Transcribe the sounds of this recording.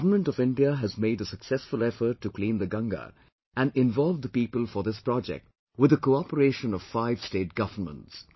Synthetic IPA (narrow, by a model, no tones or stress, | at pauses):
vəmə̃ntɔvɪ̃nɖiəɦɨzmeɪɾəsəksɛsfʊlˠɛfə˞tːuklĩːnd̪əɡʌ̃ŋɡə̰ | æ̃nɪ̃nvɔlvd̪əpiːpəlˠfə˞ðɪspɹɔd͡ʒɛ̰k̚t̚ | wɪðəkoɑpəɾeːʃə̃nɔv̥faɪv̥steːt̚ɡ̥ʌvə˞mə̰̃nts